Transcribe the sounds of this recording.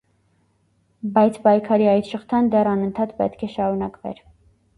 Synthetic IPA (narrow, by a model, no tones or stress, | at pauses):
bɑjt͡sʰpɑjkʰɑɾiɑjt̪ʃəχt̪ʰɑnd̪ɛrɑnənt̪ʰɑt̪pɛ̰t̪kʰɛʃɑɾunɑkvɛ̰ɾ